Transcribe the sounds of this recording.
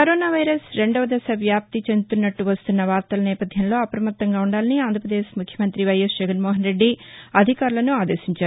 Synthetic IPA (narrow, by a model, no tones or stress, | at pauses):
kɐɾoːnaːʋɐjɾɐsɾe̞ɳɖoːʋɐd̪ɐsɐʋjaːp̚t̪it͡ʃend̪ut̪unːɐʈːuʋɐst̪unːɐʋaːɾt̪ɐlɐnɛːpɐd̪ʱjɐmlo̞ːɐpɾɐmɐt̪ːɐŋɡaːuɳɖaːlɐniaːnd̪ʱɐpɾɐd̪eːʃmukʰjɐmɐnt̪ɾiʋɐjɐsd͡ʒɛɡɐnmɔːɦɐnɾe̞ɖːiɐd̪ʱikaːɾulɐnuaːd̪e̞̰ːʃiɲt͡ʃaːɾu